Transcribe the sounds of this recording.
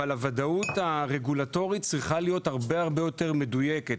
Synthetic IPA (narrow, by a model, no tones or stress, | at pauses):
alavadautaʁeɡulato̞ʁit̚t͡sʁiχalijo̞thaʁbe̞aʁbe̞jo̞te̞ʁme̞duje̞ke̞t